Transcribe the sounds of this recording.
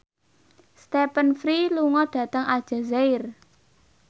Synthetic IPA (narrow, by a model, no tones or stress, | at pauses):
st̪epənfɾiluŋɔɖ̥ä̤t̪əŋad̥ʒ̥a̤zaɪr